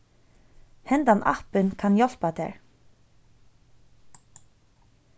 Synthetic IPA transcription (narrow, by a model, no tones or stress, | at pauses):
hɛnt̪anʔa̰hpɪnkʰanjɔl̥pat̪ɛ̰ɹ